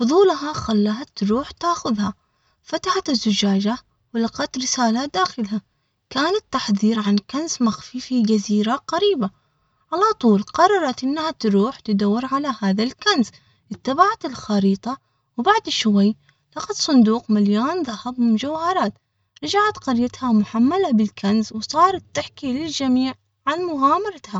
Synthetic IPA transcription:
fʊðˤuːlɦaxalːaɦat̪ːɾuːħt̪aːxʊðha | fat̪aħat̪ɪzːʊd͡ʒaːd͡ʒa | wɪlɑqɑt̪ɾɪsaːlad̪aːxɪlha | kaːnat̪ːaħðˤiːɾʕankansmaxfifid͡ʒaziːɾaqaɾiːba | ʕalat̪ˤuːlqɑrˤːɑɾˤɑt̪ʔɪnːahat̪ɾuːħt̪ɪd̪awːɪɾʕalahaːðalkans | ʔɪt̪ːabaʕat̪ɪlxɑɾiːt̪ˤɑ | wbaʕd̪ʃwaj | lɑqɑt̪sˤʊnd̪uːqmaljoːnðˤɑhɑbmɪmd͡ʒawhɑɾˤɑːt̪ | ɾˤɑd͡ʒaʕat̪qɑɾjat̪hamʊħamːalabɪlkanzwsˤɑːɾˤɑt̪ːɪħkilɪld͡ʒamiːʕ | ʕanmʊɣaːmɑɾˤɑt̪ha

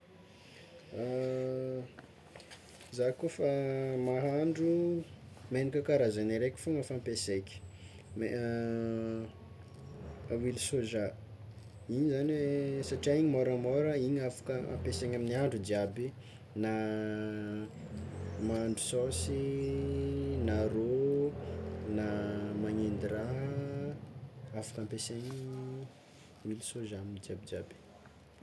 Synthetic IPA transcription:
zakofamaɦaɳɖ͡ʐu | menikʲəkaɾazaniɾekʲi̥foŋəfampesekʲi̥ | me | wilisoʒa | iɲizanwesaʈ͡ʂiaiɲimɔɾəmɔɾəiɲafḁkəa̰mpeseɲaminiaɳɖ͡ʐud͡ʒiabi | na | maɳɖ͡ʐu̥sɔsi | naɾo | namaɲend̪iɾa | afḁkampeseɲi | wilisozaamnid͡ʒiabid͡ʒiabi̥

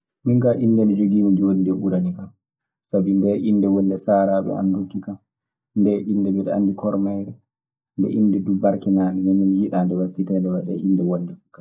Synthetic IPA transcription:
miŋɡaʔindɛnɛd͡ʒoɡiːmid͡ʒiwonideɓuɾanikam | sabindɛʔinːdɛwɔlːɛsaːɾaːɓɛ̰a̰ndukːikam | ndɛʔindɛbɛɗɛa̰nːdikʰɔɾmajɾɛ | ndɛ̰ʔindɛdubaɾkɛnaːnimɛminjiɗaːndɛwafitɛndɛwaɗɛ̰ʔindɛwɔlːɛkːa

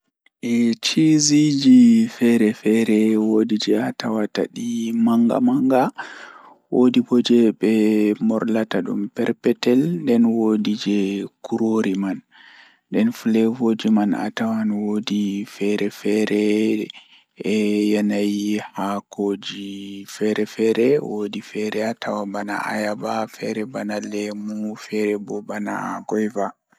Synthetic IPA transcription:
ʔɛt͡ʃizid͡ʒifɛɾɛfɛɾɛwodid͡ʒɛatawata̰ɗimaŋɡa̰maŋɡa | wodibod͡ʒɛɓɛmɔɾlataɗṵmpɛɾpɛtɛlndɛnwodid͡ʒɛkuɾoɾimanː | dɛnfulɛvod͡ʒimana̰tawanwodifɛɾɛfɛɾɛ | ɛjanajihakod͡ʒifɛɾɛfɛɾɛwodifɛɾɛatʰawabana̰ʔa̰jabafɛɾɛbanalɛmufɛɾɛbɔbana̰ɡɔjva

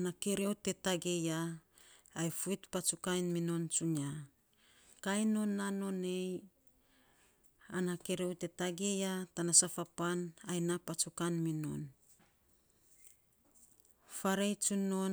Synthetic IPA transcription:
nake̞ɾewte̞taɡe̞jaː | jfuitpat͡ʃukajnmino̞nt͡ʃuɲa | kajno̞nːano̞ne̞j | anake̞ɾe̞wte̞taɡe̞jatanasafapanajnapat͡ʃukanmino̞̰n | faɾejt͡ʃuno̞

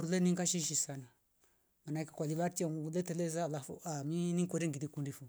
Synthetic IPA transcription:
ɾulɛniŋɡaʃiʃisana | manaikakwaliβaɾtiaŋuulɛtɛlɛzaːlafṵaminiŋkɔɾɛŋɡilikundifu

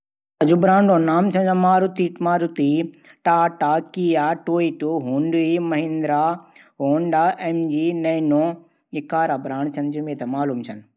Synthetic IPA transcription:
ɐd͡ʑubɾãːɳɖõːnaːmt͡ʃʰɐnd͡ʑɐmaːɾut̪iʈmaːɾut̪i | ʈaːʈaːkiːjaːʈoːiʈuɦũːɳɖuimɐɦɪ̃nd̪ɾaː | ɦoːɳɖaːʔɛːmd͡ʒiːnɐnõː | ɪkaːɾaːbɾãːɳ̃t͡ʃʰɐnd͡ʑumẽːt̪ɐmaːluːmt͡ʃʰɐn

